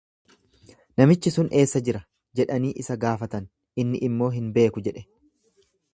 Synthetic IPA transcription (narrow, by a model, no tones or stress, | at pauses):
nɐmɪt͡ʃːɪsʊnʔe̞ːsːɐd͡ʒɪɾɐ | d͡ʒɛᶑɐniːʔɪsɐɡaːfɐt̪ɐn | ʔɪnːɪʔɪmːo̞ːɦɪnbe̞ːkʊd͡ʒɛᶑɛ̥